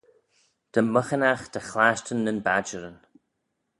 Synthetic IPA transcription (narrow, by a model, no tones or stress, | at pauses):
d̪̥əməxənaxd̪̥əxlaʃtənːənbad͡ʒəɾən